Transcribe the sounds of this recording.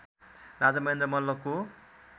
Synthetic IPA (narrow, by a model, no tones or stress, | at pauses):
rad͡zamʌɦend̪rʌmʌlːʌko